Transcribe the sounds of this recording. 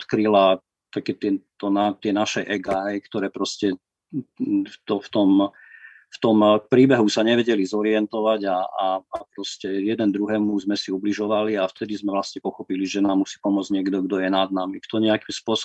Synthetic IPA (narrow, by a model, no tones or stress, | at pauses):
t̪kɾila | t̪akɛːt̪ɪɛt̪ɔnat̪ɪɛnaʃɛʔɛɡaɦɛjkt̪ɔɾɛːpɾɔscɛ | ft̪ɔft̪ɔm | ft̪ɔmpɾiːbɛɦusaɲɛʋɛɟɛlizɔɾiɛnt̪ɔʋaɟaaːpɾɔscɛjɛd̪ɛnd̪ɾuɦɛːmuzmɛsiubliʒɔʋaliaft̪ɛd̪izmɛʋlasɲɛpɔxɔpiliʒɛnaːmːusi̥ːpɔmʊɔd͡zɲɪɛɡd̪ɔɡd̪ɔjɛnad̪namikt̪ɔɲɛakimspʊɔs